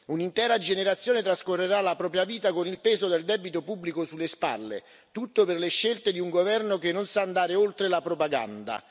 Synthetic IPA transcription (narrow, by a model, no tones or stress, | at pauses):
unint̪ɛːɾad͡ʒeneɾat̪sːjoːnet̪ɾaskorːeɾalapɾɔːp̬ɾjaviːt̪akonilpeːzod̪eld̪ɛːbit̪opubːlikosulːespa̰lːḛ | t̪ut̪ːopɪrleʃːelt̪ed̪iuŋɡovɛrnokenːonsaːnd̪aːɾeolt̪ɾelapɾopaɡa̰nd̪a̰